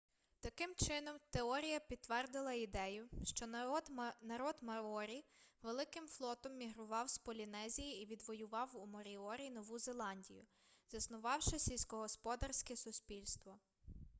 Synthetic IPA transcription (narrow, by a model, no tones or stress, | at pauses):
t̪ɐkɪmt͡ʃɪnɔmt̪eɔɾʲijɐpʲid̪t̪ːʋɛrd̪ɪlˠɐid̪ɛjʊʃt͡ʃɔ | nɐɾɔd̪mɐɔɾʲiʋelˠɪkɪmflˠɔt̪ɔmːʲiɦɾʊʋɑwspɔlʲinɛzʲijiːʋʲid̪ʋɔjʊʋɑwumɔɾʲiɔɾʲinɔʋuzelˠɑnʲdʲijʊ̰ | zɐsnʊʋɑwʃɪsʲilʲsʲkɔɦɔspɔd̪ɐrsʲkɛsʊsʲpʲilʲst̪ʋɔ